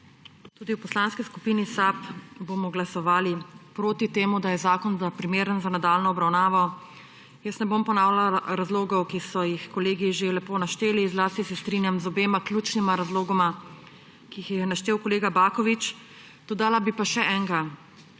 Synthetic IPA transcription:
t̪uːd̪iwpɔslanskisku̥piːnisapbomɔɡlasɔʋaːlipɾoːt̪it̪eːmud̪ajɛzaːkɔnzapɾimeːɾənzanad̪aːlnɔɔbɾawnaːʋɔ | jəsnɛbompɔnaːwlaɾazloːɡɔwkisɔjixkɔleːɡiʒelɛpoːnaʃt̪eːlizlaːst̪isɛst̪ɾinjamzɔbeːmakljuːt͡ʃnimaɾazloːɡɔma | kiixjɛjɛnaʃt̪eːwkɔleːɡabaːkɔʋit͡ʃ | d̪̥ɔd̪aːlabipaʃɛʔɛːŋɡa

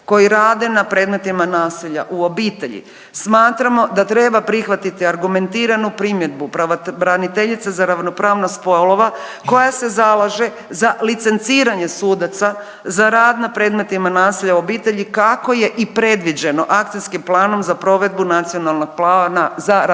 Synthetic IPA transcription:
ko̞jiɾaːd̪e̞napɾe̞d̪me̞t̪imanaːsiʎa̰ʔuo̞biːt̪e̞ʎḭ | smaːt̪ɾamo̞d̪at̪ɾe̞ːbapɾixʋat̪it̪iaɾɡume̞nt̪iːɾanupɾimje̞d̪̚bupɾaɾanit̪e̞ʎit̪sezaɾaʋno̞pɾaːʋnospo̞lo̞ʋako̞jase̞zalˠaʒe | zalit̪se̞nt̪siːɾaɲe̞suːd̪at̪sa | zaɾaːd̪napɾe̞ːd̪me̞t̪imanaːsiʎauo̞biːt̪e̞ʎikako̞je̞ʔipɾe̞d̪ʋid͡ʑe̞no̞ʔakt̪iskimplˠaːno̞mzapɾo̞ʋe̞d̪̚bunat̪sijonalˠno̞ɡ̚plaːnaza

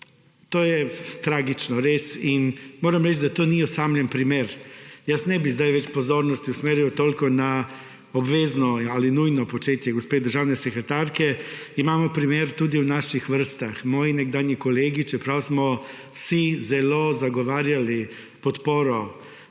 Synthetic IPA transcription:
t̪oːjɛt̪ɾaːɡit͡ʃnɔɾeːsinmoːɾamɾɛt͡ʃd̪at̪oːniɔsamlʲɛnpɾimeːɾjasnɛbizd̪ajʋɛt͡ʃpɔzoːɾnɔst̪iusmeːɾjiwt̪oːlkɔna | obʋeːznɔalinujnɔpot͡ʃeːt̪jɛɡɔspeːd̪əɾʒaːwnɛsekɾet̪aɾkɛimaːmɔpɾimjeːɾt̪ud̪iwnaːʃixʋəɾ̩st̪axmɔːjinɛɡd̪aːnjikoleːɡit͡ʃɛpɾawsmɔ | wsizɛloːzaɡɔʋaːɾjali | pɔt̪poːɾɔ

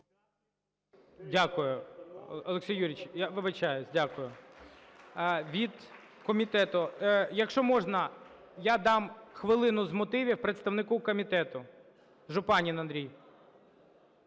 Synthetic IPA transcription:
dʲakʊjʊɔlˠeksʲijːuɾʲit͡ʃjaʋɪʋɪt͡ʃɑjʊzʲdʲakʊjʊ | ʋʲid̪ | kɔmʲit̪ɛt̪ʊjɐkʃt͡ʃɔmɔʒnɐ | jad̪ɑmxʋɪlˠɪnʊzmɔt̪ɪʋʲiwpɾet̪st̪ɐwnɪkukɔmʲit̪ɛt̪ʊ | ʒʊpɑnʲinɐnd̪ɾʲij

